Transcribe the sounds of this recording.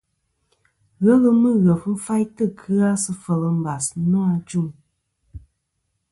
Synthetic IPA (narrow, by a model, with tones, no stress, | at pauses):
ɣə˦lɨ˦mɨ˦ɣə˨fm̩˦fa˦jtɨ˦˨kʰɨ˦a˦sɨ˦fə˨lɨ˨m̩˦ba˨snɔ˦a˧d͡ʒu˦˨m